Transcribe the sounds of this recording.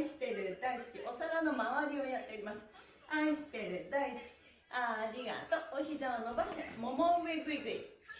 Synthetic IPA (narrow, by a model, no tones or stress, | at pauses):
ɕi̥t̪e̞ɾɯ̟d̪aisɨ̥kʲiʔo̞t̪aɡanomaβaɾʲiojat̪ːe̞ɾimasɨ̥ | ãɕi̥t̪e̞ɾɯ̟d̪aiskʲi̥ | aɾʲiɡa̰t̪ooçizanobaɕa̰momomeɡɯiɡɯi